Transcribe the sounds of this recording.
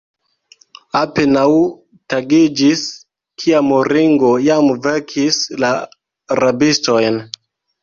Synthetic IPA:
apenaw | taɡid͡ʒis | kʰiamoɾiŋɡo̞jamveɾkʰisla | ɾabisto̞jn

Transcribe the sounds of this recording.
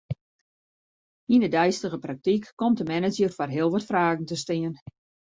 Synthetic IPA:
inədɛjstəɣəprak̚tikːɔmtəmɛnəd͡ʒjərfarɦɪəlˠʋɔtfraːɣn̩təstɪən

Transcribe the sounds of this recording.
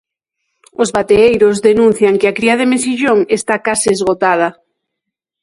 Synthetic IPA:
ozβat̪eejɾozðenũn̟θjaŋkɪakɾiað̞emesiʒoŋest̪akasiːzɣot̪að̞ɐ

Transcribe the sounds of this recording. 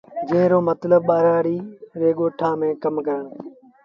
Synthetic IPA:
d͡ʒeːɾoːmət̪ləb̚ɓaːɾaːɽiːʋeːɠoːʈʰãːmẽːkəmkəɾəɳ

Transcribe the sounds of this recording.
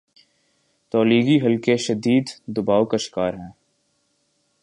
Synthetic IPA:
t̪ɔːliːɡiɦɐlkeʃɐd̪iːd̪d̪ʊbaːokaʃɪ̥kaːɾɦɛ̃ː

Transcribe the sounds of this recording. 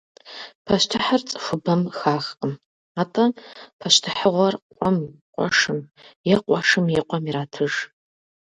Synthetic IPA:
pʰɐʃtʰaħart͡sʼʂʷɨbɐmxaːxqʼəm | atʼɐpʰɐʃtʰɨħəʁʷɐrqʷʼɔmqʷʼɔ̰ʂɨmjɛqʷʼɔʂɨmjɛqʷʼɔmiɾaːtʰɨʐ

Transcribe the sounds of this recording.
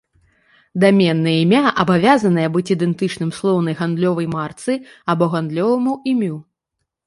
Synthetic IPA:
d̪amʲɛnːɨjɐimʲaʔɐbavʲazɐnɨjɐbɨt͡sʲid̪ɛnt̪ɨt͡ʂnɨmslˠɔwnɐjɣand̪lʲɔvɐjmart̪sɨ | ɐbɔɣand̪lʲɔvɐmuimʲu

